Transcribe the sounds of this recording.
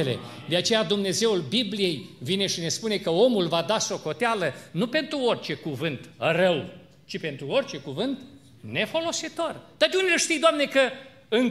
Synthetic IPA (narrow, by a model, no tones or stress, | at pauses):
ele̞̰d̪e̞at͡ʃe̞jad̪umne̞ze̞wulbiblije̞jvine̞ʃine̞spune̞kəo̞mulvad̪aso̞ko̞t̪ealənupe̞nt̪ɾuo̞rʲt͡ʃe̞kuvɨnt̪rəw | t͡ʃipe̞nt̪ɾuo̞rʲt͡ʃe̞kuvɨnt̪ | ne̞fo̞lo̞sit̪o̞rd̪̥at̪euneəʃt̪ijd̪oamne̞kə | ɨŋ